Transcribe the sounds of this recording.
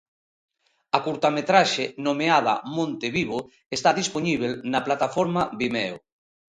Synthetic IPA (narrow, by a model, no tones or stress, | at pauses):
ɐkuɾt̪amet̪ɾaʃenomeað̞a̰mõnt̪eβiβo | est̪aðisponiβ̞elnaplat̪afoɾmaβimɛo